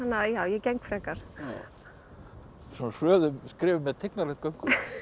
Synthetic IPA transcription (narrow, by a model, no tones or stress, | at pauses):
anajaːwjɛcɛŋkfɾɛkaɾ̥ | sɛnarœːðʏmskɾɪːvʏmːɛðt̪ʰɪknaɾlɛht̪kœŋkʏ